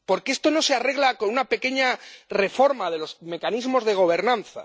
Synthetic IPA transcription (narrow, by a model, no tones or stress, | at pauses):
po̞ɾkeest̪o̞no̞se̞are̞ɣ̞lako̞nunape̞ke̞ɲare̞fo̞ɾmaðe̞lo̞zme̞kanizmo̞zðe̞ɣ̞o̞β̞e̞ɾnãnθa̰